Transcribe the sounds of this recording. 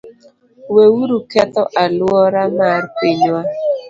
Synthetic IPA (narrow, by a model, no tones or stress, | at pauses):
wewuɾukɛtɔʔalwɔɾamaɾpiɲwa